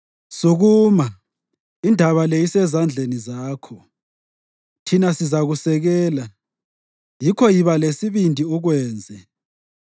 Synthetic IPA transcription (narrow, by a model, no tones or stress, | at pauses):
suɣuːma | indʱaβalejisɛzand͡ɮʱenizaːkʰɔ | tʰinasizaɣusɛɣɛːla | jikʰɔjiβalesiβindʱiuɣwɛːnd͡zʱɛ